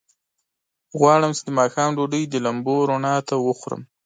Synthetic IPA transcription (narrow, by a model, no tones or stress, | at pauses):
ɣwɑɽəmt͡ʃed̪əmɑxɑmɖoɖəjd̪əlamboɾonɑt̪awəxɾə̰m